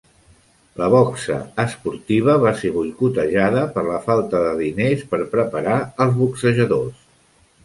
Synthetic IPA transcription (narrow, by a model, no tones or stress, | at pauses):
ləβɔksə̰əspuɾt̪iβ̞əβaseβujkut̪əʒaðəpəɾləfalˠt̪əðəðinespəɾpɾəpəɾaəlˠzβuksəʒəðos